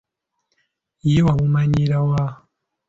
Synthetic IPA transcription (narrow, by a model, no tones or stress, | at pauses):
ijewaβumaɲiɾawa